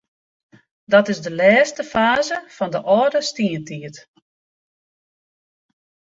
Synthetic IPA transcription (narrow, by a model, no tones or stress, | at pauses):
dɔtɪzdəlɛːstəfaːzəfɔndəʔɔdəstiəntiət